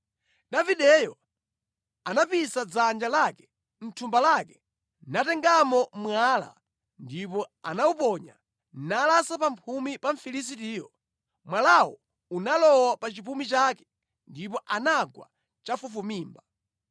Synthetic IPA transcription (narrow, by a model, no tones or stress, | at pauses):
daviɗɛjɔ | anapisad͡zand͡ʒalakɛ̥ | n̩tʰumbalakɛ | natɛŋɡamɔmwaːla̰ | ndipɔanaupɔɲa̰ | nalasapampʰumipaɱfilis̬itiːjɔ | mwalawɔ | unalɔwapat͡ʃip̬umit͡ʃakɛ̥ | ndip̬ɔʔanaɡwa̰ | t͡ʃafufumiːmba